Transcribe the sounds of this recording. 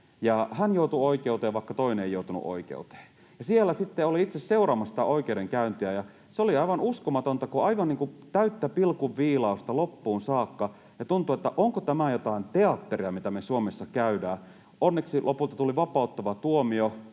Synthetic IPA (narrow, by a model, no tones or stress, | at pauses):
jɑhænjout̪uoikeut̪eːʋʋɑˑikːɑt̪oinenḛjoˑut̪unṵʔo̰ikḛut̪e̥ː | jɑsielːæsit̪ːeoliit̪sesseurɑːmɑsi̥t̪æ̰ʔoikeuɾeŋkæynt̪iæjɑ | seoliɑiʋɑnuskomɑt̪ont̪ɑkuɑiʋɑnniːŋkut̪æyt̪ːæpilkuʋʋiːlɑust̪ɑlopːuːnsɑːkːɑ | jɑt̪unt̪uet̪ːæʔoŋkot̪æmæjot̪ɑint̪e̞ɑt̪ːeriɑmit̪æmesuomesːɑkæydæː | onːeksilʔopult̪ɑt̪uliʋɑpɑˑut̪ːɑʋɑt̪uomio